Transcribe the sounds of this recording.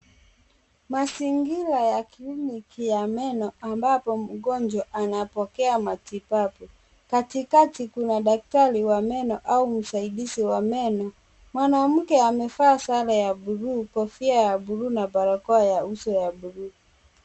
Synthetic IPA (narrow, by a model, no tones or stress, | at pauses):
masiŋɡilajaklinikijamɛnɔambapɔm̩ɡɔnd͡ʒwaʔanapɔkɛamatipapu | katikatikunaɗak̚taɾiwamɛnɔʔaum̩saiɗisiwamɛnɔ | mwanam̩kɛamɛfaːsalajaɓuɾuːkɔfiajaɓuɾunapaɾakɔajausɔjaɓuɾuː